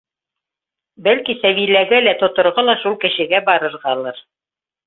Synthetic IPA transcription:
bælkisæβilæɡɘlæt̪ŏt̪ŏɾʁɤlˠɑʃulˠkɘ̆ʃɘ̆ɡæbɑɾɤ̆ɾʁɑlˠɤɾ

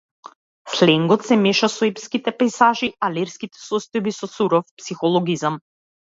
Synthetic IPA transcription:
slɛŋɡɔt̪sɛmɛʃasɔɛpskit̪ɛpɛjsaʒialɛɾskit̪ɛ̥sɔst̪ɔjbisɔsuɾɔfpsixɔlˠɔɡizam

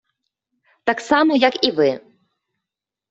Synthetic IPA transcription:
t̪ɑksɑməjakivɨ

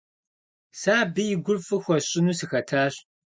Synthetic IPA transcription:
saːbɨjɪɡʷʊrfɨxʷɔɕʼɪnuːsɨxɐtʰaːɕ

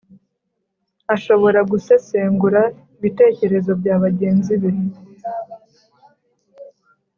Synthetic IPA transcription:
aʃo̞βo̞ɾaɡuse̞se̞ːŋɡuɾa | iβite̞ːce̞ɾe̞zo̞bɟaːβaɟe̞ːnziβe

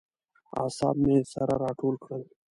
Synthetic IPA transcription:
a̰ːsa̰ːbmesɐɾa̰ɾaːʈʰoːlkʰɽəl

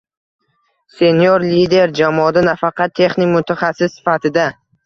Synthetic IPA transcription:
se̞njoɾlid̪e̞ɾd͡ʒamɒd̪anafɑqʰɑt̪ʰːe̞χnɪkʲmʊt̪ʰaχɑsɪsːɪ̥fat̪ʰɪd̪a

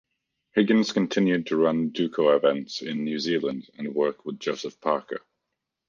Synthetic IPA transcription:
hɪɡə̃nz̥kə̃ntʰɪ̃njʉd̚tʰəɹʌ̃ndʉˑkʰəʊɪvɛ̃ntsɪ̃nːjʉːziːlə̃ndə̃nwɜˑkʰwɪðd͡ʒoʊsəfpʰɑˑkʰə̰

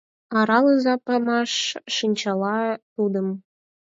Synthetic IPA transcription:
ɑɾɑləzɑpɑmɑʃːənʲt͡ɕɑlɑt̪ud̪əm

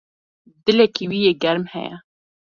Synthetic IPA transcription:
d̪ɨlɛkiwiːjeːɡɛɾmhɛ̰jɛ̰

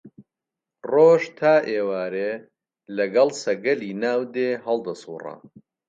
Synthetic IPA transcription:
roːʒt̪ʰaːʔeːwaːɾeː | lɐɡɐlˠsɐɡɐliːnaːwd̪eːɦɐlˠd̪ɐsuːrɐ̰

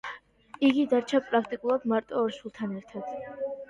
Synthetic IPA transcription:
iɡid̪aɾt͡ʃʰapʼɾakʰt̪ʼikʼulˠad̪maɾt̪ʼɔːɾʃwulˠt̪ʰanɛɾt̪ʰad̪̥

